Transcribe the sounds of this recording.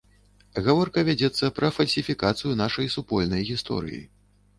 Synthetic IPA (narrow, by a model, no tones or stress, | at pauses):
ɣavɔrkɐvʲad͡zʲɛt̪sːɐpɾɐfɐlʲsʲifʲikat̪sɨjunaʂɐjsupɔlʲnɐjɣʲist̪ɔ̰ɾɨ̰jḭ